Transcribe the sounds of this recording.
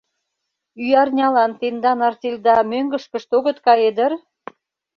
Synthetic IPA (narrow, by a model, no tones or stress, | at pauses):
yjɑrnʲɑlɑnt̪end̪ɑnɑrt̪ʲelʲd̪ɑmøŋɡə̆ʃkə̆ʃt̪oɣə̆t̪kɑjed̪ə̆r